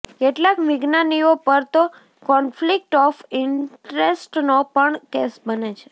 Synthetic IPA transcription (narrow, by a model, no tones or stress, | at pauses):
keʈlakmɪɡnaniopəɾt̪o | kɔnflik̚ʈɔfɪɳʈɾesʈnopəɳkesbənet͡ʃʰe̥